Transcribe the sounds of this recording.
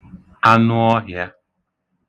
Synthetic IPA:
a˦nʊ˦ɔ˦ɦja˦

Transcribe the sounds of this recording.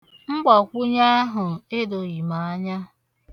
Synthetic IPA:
ŋ͡m̩˦ɡ͡bɔ˨kʷu˦ɲa˦a˦ɦʊ˨e˦do˨i˨ma˨a˦ɲa˦

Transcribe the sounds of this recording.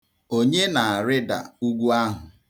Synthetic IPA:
o˦ɲe˦na˨a˨ɾɪ˦da̰˨u˦ɡʷu˦a˦ɦʊ˨

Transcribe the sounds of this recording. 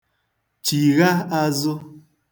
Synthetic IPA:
t͡ʃi˨ɣa˦a˦zo˦

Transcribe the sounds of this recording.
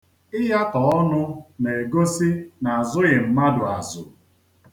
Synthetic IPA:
ɪ˦ɦa˦tɔ˨ɔ˦nʊ˦ne˨e˨ɡo˦si˦na˨a˨zʊ˦ɣɪ˨m̩˨ma˦dʊ˨a˨zʊ̰˨

